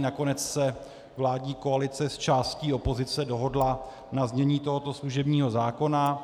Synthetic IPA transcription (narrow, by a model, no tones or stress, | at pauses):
nako̞nɛt͡ssɛ | vlaːdɲiːko̞alɪt͡sɛst͡ʃaːsciːo̞po̞zɪt͡sɛdo̞ɦo̞dla | nazɲɛɲiːt̪o̞ɦo̞t̪o̞sluʒɛbɲiːɦo̞zaːko̞na